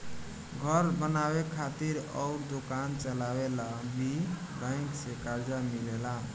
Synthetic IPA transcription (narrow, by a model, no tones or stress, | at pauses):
ɡʱəɾbənabekʰat̪iɾɔʊɾd̪okant͡ʃəlawelabi | bə̃ɪŋksekaɾd͡ʒamilela